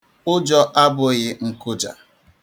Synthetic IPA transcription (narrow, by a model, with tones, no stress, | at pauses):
ʊ˦d͡ʒɔ˦ʔa˦bʊ˦ɣɪ˦ŋ̩˨kʊ˦d͡ʒa̰˨